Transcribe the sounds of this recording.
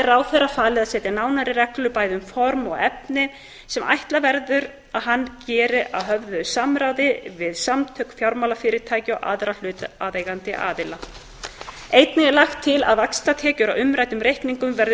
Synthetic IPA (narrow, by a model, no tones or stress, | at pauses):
ɛɾaːwθɛrafaːlɪðasɛːt̪janaːwnaɾɪɾɛklʏpaːjðʏmfɔɾmɔɣɛpnɪ | sɛmʔa̰jht̪lavɛɾðʏɾ | aðɦanːcɛːɾɪʔa̰ðɦœvðʏsaːmɾawðɪvɪðsamt̪ʰœkfjawɾmawlafɪːɾɪ̥t̪ʰaːjcɪɔwa̰ðɾal̥ʏːt̪aðejɣant̪ɪʔa̰ːðɪla | ejt̪nɪlaxt̪ʰːɪla̰ðvakst̪at̪ʰɛːcʏɾawʏmɾajt̪ʏmɾejhkniŋkʏmvɛɾð